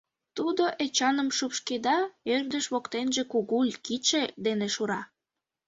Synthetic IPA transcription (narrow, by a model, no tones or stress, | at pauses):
t̪ud̪oʔet͡ɕɑnəmʃupʃked̪ɑørd̪əʃβokt̪enʒekuɣulʲkit͡ɕed̪eneʃuɾɑ